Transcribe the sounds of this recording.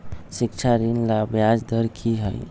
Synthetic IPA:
sik̚t͡ʃʰaɾinlabjad͡ʒd̪əɾkʰiɦə̰j

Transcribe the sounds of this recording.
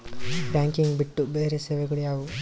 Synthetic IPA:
ɾaːŋkiŋɡbiʈːubeːɾeseːʋekuɽijaːʋu

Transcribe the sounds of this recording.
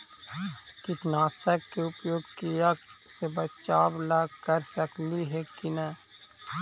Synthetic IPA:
kɪt̪naːsəkːeʊpjoːɡkiɾəksebət͡ʃaːʋlaɡkəɾsəkliɦɛkinə

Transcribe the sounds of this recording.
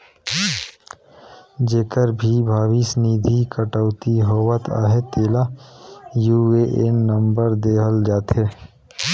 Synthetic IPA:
d͡ʒeːkəɾbʱibʱaːwisniːd̪ʱikəʈəʊt̪iɦoːwət̪ʰa̰ːɦet̪eːla | jueʔenːə̃mbəɾd̪eːɦəld͡ʒaːt̪ɦeː

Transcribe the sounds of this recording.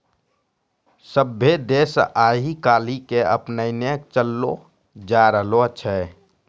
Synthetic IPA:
səbʱːed̪eːsaːɦikaːlikeə̰pnəinekt͡ʃəlːo | d͡ʒaɾəɦloətːʃʰɛ

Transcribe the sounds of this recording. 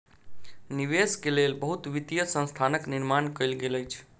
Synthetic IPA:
niʋeskelelbəɦut̪ʋit̪ijəsə̃nst̪ʰanəkniɾmankəjlɡeləjt͡ʃʰ

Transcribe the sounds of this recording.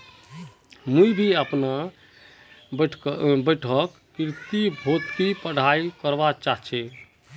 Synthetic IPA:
muibʱiəpna | ʈbəʈʰəkːɾt̪ibʱot̪kipəɽ̤ʱaikəɾbat͡ʃaɦt͡ʃʰɛ

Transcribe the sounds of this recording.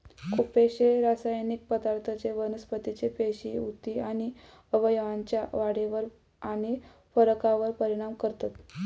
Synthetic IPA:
kʰupeɕeɾasajnik̚pəd̪aɾt̪ʰət͡seʋənəspət̪it͡ɕepeɕiut̪iaɽ̃i | əʋəjəʋaɲt͡ɕjaʋaɽeʋəɾ | añi | fəɾəkaʋəɾpəɾiɽ̃amkəɾt̪at̪

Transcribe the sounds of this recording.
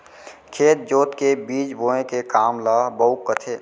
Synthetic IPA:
kʰeːt̪̚d͡ʒoːt̪kebiːd͡ʒboːẽkekaːmlaːɦbəʊkːət̪ʰeː

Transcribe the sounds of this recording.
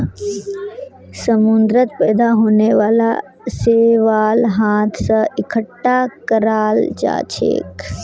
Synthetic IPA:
səmʊnd̪ɾət̪̚pɛːd̪aɦoːneʋaːla | seːʋaːlɦaːt̪ʰsəɪkʰəʈːakəɾaːld͡ʒa̰ːt͡ʃʰḛːk

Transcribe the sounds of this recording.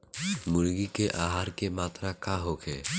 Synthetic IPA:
mʊlɡikeʔaːɦaːɾkemaːt̪ɾakaɦokʰḛː

